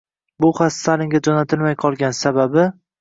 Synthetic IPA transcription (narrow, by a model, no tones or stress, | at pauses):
bʊχasalɪŋɡʲad͡ʒonat̪ʰɪlmajqʰɒlˠɡʲansababɪ